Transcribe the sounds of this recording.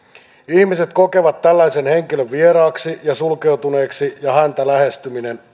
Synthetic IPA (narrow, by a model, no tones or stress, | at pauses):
ihmise̞t̪ko̞ke̞ʋɑt̪ːælːæjsenhe̞ŋkiløʋʋieɾɑːksijɑsulke̞wt̪une̞ːksijɑhænt̪ælæhe̞st̪yminen